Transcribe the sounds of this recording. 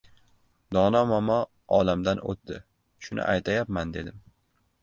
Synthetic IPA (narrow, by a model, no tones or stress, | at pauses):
d̪ɒnɒmɒmɒ | ɒlamd̪anʔo̰t̪̚d̪ɪ | ʃʊnɪ̰ʔajt̪ʰajapmand̪e̞d̪ɪm